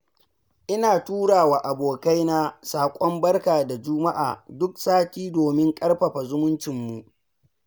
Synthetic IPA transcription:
ʔɪ˦naː˨tuː˦ɽaː˨waː˨ʔa˨boː˨ka˦jna˦saː˨kʷʼɔ˦mbɐ˦rkaː˨da˨d͡ʒʊ˦ma˦ʔa̰ː˨dʊ˦k̚saː˦kʲiː˦doː˨mɪ˦ŋkʼɐ˦rɸɐ˨ɸa˨zʊ˦mʊ˦nt͡ʃɪ˨mːu˨ʔ

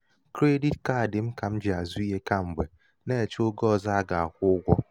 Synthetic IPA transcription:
kɾe˦di˦tka˦˨dɪ˨m̩˦ka˨m̩˦d͡ʒi˨a˨zu˦i˦ɦe˦ka˦m̩˨ɡ͡be˨ | ne˦˨t͡ʃo˦ɡɔ˦˨za˦a˦ɡa˨a˨kʷʊ˦ʊ˦ɡʷɔ˦

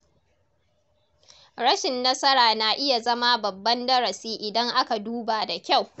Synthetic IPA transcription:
ɾɐ˦ʃɪ˨nːɐ˦sɐ˦ɾaː˨na˨ʔɪ˦ja˨zɐ˦ma˦bɐ˨bːɐ˦ndɐ˦ɾɐ˨siː˦ʔɪ˨dɐ˦ŋʔa˦ka˨duː˦baː˨da˨kʲa˦˨w

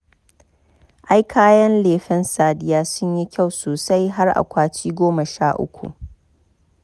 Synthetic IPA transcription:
ʔa˦jkʰaː˦jɐ˦nleː˨ɸɛ˦nsaː˨dɪ˦jaː˦sʊ˦ɲji˦kʲʰa˦˨wsoː˨sa˦jɦa˦rʔa̰˨kʷaː˦t͡ʃiː˦ɡʷoː˦mɐ˨ʃaː˦ʔʊ̰˦kʷṵ˨ʔ

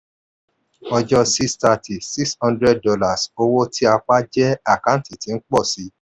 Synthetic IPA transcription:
ɔ˧d͡ʒɔ˧si˦sta˧˨ti˨si˦kshɔ̃˦ndɾɛ˦d̚dɔ˧la˨so˧wo˦tʰi˦a˧k͡pa˦d͡ʒɛ˦a˦˨kã˦˨˦ti˨ti˨˦n̩˦k͡pɔ˦˨si˨˦

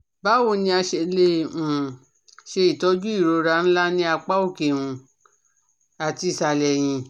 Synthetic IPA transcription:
ba˨˦wo˧˨nĩ˧a˧ʃe˧le˧˨ũ˨ | ʃe˧i˨tɔ˨˧˦d͡ʒu˦i˦˨ɾo˧˦ɾa˧˦ñ̩˦la˦nĩ˧˦a˧k͡pa˦o˦˨ke˨wũ˧ | a˨ti˧˨sa˨lɛ˨j̃ĩ˧

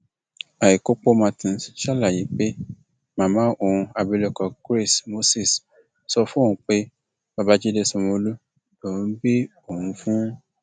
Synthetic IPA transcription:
a˨i˨ko˦k͡po˦mã˧tĩ˨ʃa˦la˦˨ji˨˦k͡pe˦ | mã˨˧˦mã˦ʔo˨ũ˧a˧bi˧lo˧˨kɔ˧ɡɾe˦˨smo˦si˦˨s | sɔ˧fũ˦˨ũ˦k͡pe˦ | bã˧ba˦d͡ʒe˦de˦sũ˧mõ˧˦lu˦ | dõ˨˦be˦ | o˨hũ˧fũ˦

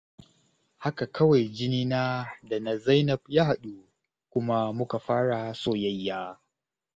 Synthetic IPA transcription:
ha˦ka˨kʰɐ˦wa˨jd͡ʒɪ˦niː˦naː˦da˨na˨za˦jnɐ˦˨b̚jaː˦ha˨ɗu˦ | kʷʊ˦ma˦mʊ˦ka˨ɸaː˦ɽa˨soː˦jɐ˦jːaː˦

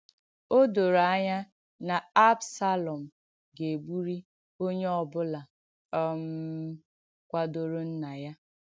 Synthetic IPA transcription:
o˦do˨ɾa˦ɲa˦ | na˨a˦bsa˦lɔ˨m̩˨ | ɡe˨ɡ͡bu˦ɾi˦ | o˦ɲe˦ɔ˨bʊ˦la˨ | ɔ˦m̩˦ | kʷa˦do˨ɾo˦n̩˦na˨ja˦

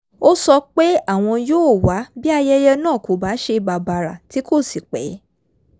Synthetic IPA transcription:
o˦sɔ˧k͡pe˦a˦˨w̃ɔ̃˧joː˦˨wa˨˦bi˦a˧jɛ˦jɛ˧nãː˦˨ko˨ba˨˦ʃe˧ba˨ba˨ɾa̰˨ti˨˦ko˦˨si˨k͡pɛ˨˦

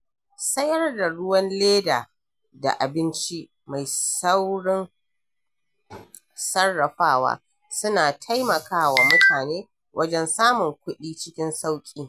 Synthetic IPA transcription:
sɐ˦jɐ˦rda˨ɽʊ˦wɐ˦nleː˦da̰ː˨ | da̰˨ʔa˨bɪ˦nt͡ʃi˦ | ma˨jsa˦wɽɪ˦n | sɐ˦rːɐ˨ɸaː˦wa̰ː˦ | sʊ˦naː˨tʰa˦jmɐ˨kaː˦waː˨mʊ˦tʰaː˨neː˦ | wʔɐ˦d͡ʒɛ˦nsaː˦mʊ˨ŋkʷʊ˦ɗiː˦t͡ʃɪ˦kʲɪ˦nsa˦wkʲʼiː˦

